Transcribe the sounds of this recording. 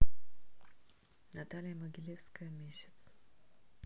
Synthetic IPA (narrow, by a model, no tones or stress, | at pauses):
nat̪alʲijəməɡʲilʲefskəjəmʲesʲe̥t̪s